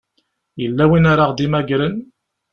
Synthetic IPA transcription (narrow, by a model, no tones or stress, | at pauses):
jəlːæwinaɾaʁd̪imæɡɾən